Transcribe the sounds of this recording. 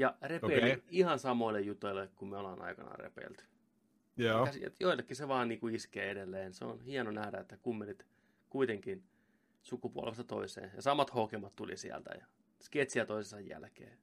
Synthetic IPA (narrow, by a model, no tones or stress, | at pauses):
jɑrepeːliihɑnsɑmoilːejjut̪ːˑoilːekkummeolɑnɑ̰ikɑnɑ̰rḛpḛːlt̪ | jset̪joilːekːiseʋɑːnniːŋkuiskeːedelːeːnseo̰nhiɑnonæhdæet̪ːækumːenːit̪ | kuit̪eŋkin | sukupuɑ̰lʋest̪ɑt̪o̰isḛːnjɑsɑmɑt̪hokemɑt̪t̪ulḭsḭæ̰lt̪æ̰jɑ | sket̪siæt̪oisesɑjjæ̰lkḛː